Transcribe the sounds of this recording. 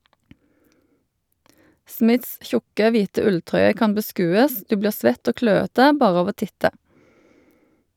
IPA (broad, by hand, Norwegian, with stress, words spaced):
ˈsmɪts ˈçʊkə ˈʋiːtə ˈʉlˌtʁœʏə ˈkɑm bəˈskʉːəs ˈdʉː ˈbliːʁ ˈsʋɛt ˈoː ˈkløːətə ˈbɑːʁ ˈɑʋ ˈoː ˈtɪtə